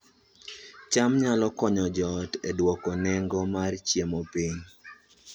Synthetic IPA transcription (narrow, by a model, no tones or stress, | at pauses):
t͡ʃamɲalɔkɔɲɔd͡ʒɔtedwɔkɔnɛŋɡɔmart͡ʃjemɔpiɲ